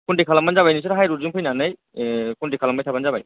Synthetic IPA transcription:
kuɳʈikʰalamːand͡ʒabajnisʰɔɾɦajɾuɾd͡ʒumpʰɯjnanɯj | kuɳʈikʰalamːajtʰaband͡ʒabaj

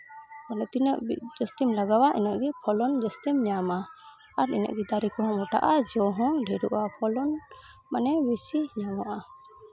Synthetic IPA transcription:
kanɛt̪inəʔd͡ʒəst̪imlaɡawaʔinaʔɡipʰɔlɔnd͡ʒɛst̪imɲama | aɾḭna̰ʔɡid̪aɾikɔɦɔ̃mɔʈa̰ʔad͡ʒɔɦɔ̃ɖʱɛɾuʔapʰɔlɔn | manɛbisiɲamɔʔa

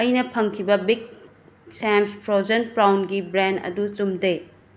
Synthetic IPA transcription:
ɐjnɐpʰɐŋkʰibɐbiɡ̚ | senspɾod͡ʒen̚pɾawnɡibɾendɐ̰dut͡ʃumde

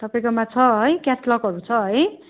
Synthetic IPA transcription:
t̪ʌpaĩkomat͡sʰʌɦʌjkjaslʌkɦʌɾut͡sʰʌɦʌj

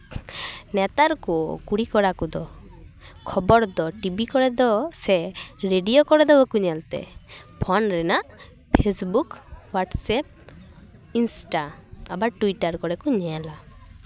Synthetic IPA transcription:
nɛt̪aɾkukuɽikɔɽakud̪ɔ | kʰɔbɔɾd̪ɔʈibikɔɽɛd̪ɔsɛɾeɖijokɔɽɛd̪ɔbɔkuɲɛlt̪ɛ̰pʰɔnɾɛnaʔ | pʰesbukwaʈsɛp̚ | insʈaabaʈuiʈaɾkɔɽɛkuɲɛla

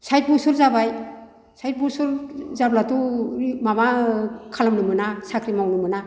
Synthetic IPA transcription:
sajt̚busuɾzabaj | sajt̚busuɾzablatuɾimamakʰalamnumɯnasakʰɾimawnumɯna

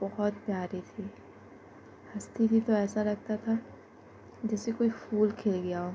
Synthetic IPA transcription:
bɐɦɔt̪̚pjaːɾit̪ʰiː | hɐst̪ʰib̪ʱit̪oɛːsaɾɐk̚ʰt̪at̪ʰa | d͡ʒɛːsekoːifuːlkʰeːlɡɐjaɦoː

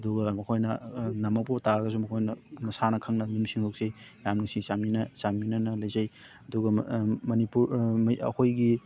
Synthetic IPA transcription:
ɐduɡɐmɐkʰojnɐnɐmɐk̚potaɾɐɡɐs̬umɐkʰojnɐmɐsanɐkʰɐŋnɐjumsiŋhok̚sej | jamnuŋsisaminɐsaminɐnɐlɐjzaj | ɐduɡɐmɐnipuɾmɐ̰hʰojɡi

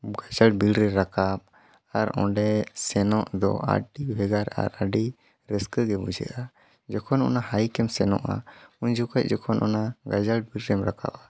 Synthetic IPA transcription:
ɡad͡ʒalʈ̚bilɾɛɾakap̚ | aɾɔ̰̃ɖɛsɛnɔʔd̪ɔ̰a̰ɖibʱɛɡaɾa̰ɾaɖi | ɾɛskəɡɛbud͡ʒɛ̰ʔa | d͡ʒɔkʰɔnɔ̰nahajkɛmsɛnɔ̰ʔa̰uɲd͡ʒukac̚ˀd͡ʒɔkʰɔnʔɔ̰naɡad͡ʒalʈ̚bilɾɛmɾakʰa̰pa

